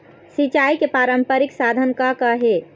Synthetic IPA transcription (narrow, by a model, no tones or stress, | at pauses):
sit͡ʃaikepɾaːɾəmpəɾiksad̪ʱənkakəɦe